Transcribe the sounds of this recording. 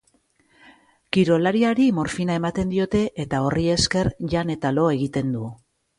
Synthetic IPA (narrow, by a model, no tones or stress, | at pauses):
kiɾo̞laɾiaɾimo̞ɾfinae̞mat̪e̞nd̪io̞t̪e̞ʔet̪ao̞rie̞ske̞ɾʝane̞t̪alo̞e̞ɣ̞it̪e̞nd̪u